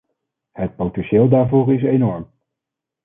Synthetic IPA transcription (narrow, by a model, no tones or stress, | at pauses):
ɦət̚powtɛnʃeːlˠdaːɹvoːɹɪs̬ejnɔɹm